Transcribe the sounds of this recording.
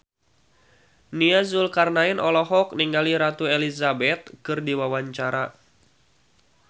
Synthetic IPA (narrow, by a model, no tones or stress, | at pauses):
niazʊlkarnaɪnɔlɔɦɔk̚niŋɡaliɾat̪uelizabɛt̪̚kɨrdiwawaɲt͡ʃaɾa